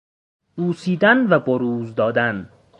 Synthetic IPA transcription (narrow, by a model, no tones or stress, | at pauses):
buːsiːd̪ænvæboɾuːzd̪ɒːd̪æn